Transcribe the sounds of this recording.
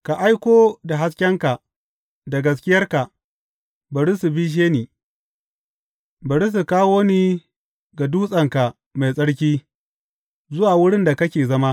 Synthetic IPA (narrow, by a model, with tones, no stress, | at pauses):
ka˨ʔa˦jkʷoː˦da˨ɦa˦skʲɛ˦ŋka˨ | da˨ɡɐ˦s̬kʲɪ˦jɐ˦rka˨ | bɐ˨ɽi˦su˨biː˦ʃ̬eː˦niː˨ | bɐ˨ɽi˦s̬u˨kaː˦woː˦niː˦ | ɡa˨duː˦sʼɐ˨ŋka˨ | ma˨jsʼɐ˦ɽk̬ʲiː˦ | zʊ˦waː˨wʊ˦ɽɪ˦nda˨kɐ˦kʲeː˨zɐ˦ma˦